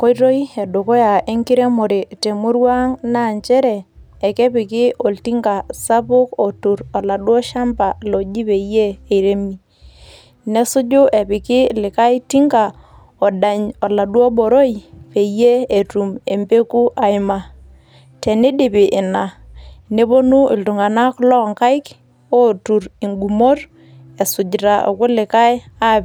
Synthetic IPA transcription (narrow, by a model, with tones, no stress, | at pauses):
kɔ˦i˦ɾo˦i˦ɛ˨do˨kɔ˦ja˨e˦ŋkɪ˦ɾɛ˦mɔ˨ɾe˨te˨mʊ˦ɾwa˦ŋna˦˨ɲt͡ʃɛ˦ɾɛː˨ | kɛ˦pɪ˨kɪ˦ʔo˨lti˦ŋɡa˨sa˦pʊ˦kɔ˨tu˨ɾɔ˨la˨ɗwɔ˦ʃa˦mpa˨lɔ˨d͡ʒi˦pe˨jeː˦˨ɾe˦mi˦˨ | nɛ˦sʊ˦d͡ʒʊ˦ʔɛ˨pɪ˨kɪ˦lɪ˨ka˦i˦ti˦ŋɡa˨ | ɔ˨ɗa˨ɲɔ˨la˨ɗwɔ˦bo˨ɾo˦i˨pe˨je˦e˨tu˨me˨mpe˦ku˦ʔa˨ɪ˦ma˨ | te˨nɪ˦ɗɪ˨pɪ˨ʔɪ˨na˨ne˦bo˦nu˦ʔɪ˨ltʊ˨ŋa˨na˦kʊ˦lɔ˦˨ŋka˦ɪ˦k | o˦tu˨ɾi˨ŋɡu˨mo˦r | e˨sʊ˨d͡ʒɾa˨ʔo̰˨kʊ˦lɪ˨ka˦ja˦p